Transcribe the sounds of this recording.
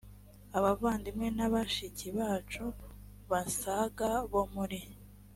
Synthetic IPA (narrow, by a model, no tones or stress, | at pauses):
aβavaːndimŋe̞naβaʃiciβaːt͡ʃu | βasaɡaβomuɾi